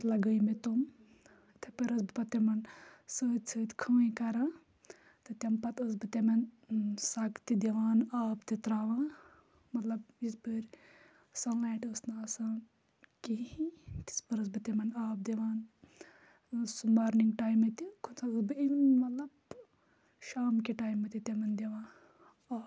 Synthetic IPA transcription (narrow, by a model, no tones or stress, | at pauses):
lɐɡəjmet̪om | t̪ʰepɐɾɐsbɨpɐt̪emɐnsəːd̪ʲsəːd̪ʲkʰɐʋəkɐɾa | t̪ɨt̪ʲɐmpɐt̪ɐsbɨt̪emɐnsakt̪id̪eʋaːnaːpt̪it̪ɾaːʋaː | mɐt̪lɐbispəɾʲ | sɐnlaːʈəsnɨɐsaː | kiĩt̪i̥spɐɾɨs̬bɨt̪emɐnaːb̚d̪eʋaːn | sumaːɾniŋɡʈaːjmet̪ikʰunsʰaɨsbɨiʋnmɐt̪lɐb | ʃaːmkiʈaːjmɐt̪it̪emɐnd̪eʋãː | aː